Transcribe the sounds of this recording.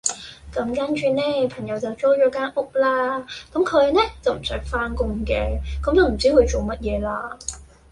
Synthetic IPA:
kɐ˨˥mkaː˨˥nt͡ʃyː˧nɛː˥˩pʰɐ˨˩ŋjɐ˨˧wt͡sɐ˨wt͡sɔː˥t͡ɕɔː˨˥kaː˨˥ŋʔʊ˥k͡p̚laː˧kʊ˨˥˦mkʰə˨˧jnɛː˦˥t͡sɐ˨˩wm̩˨˩sœː˨˥k̚faː˧˥nkʊ˧ŋkɛː˧kʊ˨˥mt͡sːwm̩˨˩t͡siː˥hu˨˧jt͡so˨˩wmɐ˦˥t̚jɛː˨˧laː˧

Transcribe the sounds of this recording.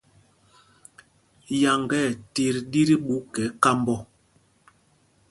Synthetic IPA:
ja˨ŋɡɛ˦˨ti˨ɾdi˦ɾi˦ɓu˦kɛ˨˦ka˦mbɔ˦

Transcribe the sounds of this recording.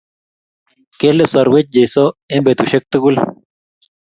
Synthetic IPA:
ke˦lesɔ˨ɾwe˦t͡ʃ̚d͡ʒe˨so˦e˦mbe˨t̪uʃe˦k̚t̪ə˦ɡu˦l

